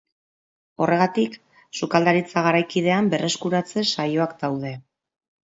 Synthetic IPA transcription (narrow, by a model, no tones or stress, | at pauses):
o̞re̞ɣat̪ik | sukald̪aɾit͡saɣ̞aɾajkiðe̞ambe̞rʔe̞skuɾat͡se̞sajo̞akd̪awðe̞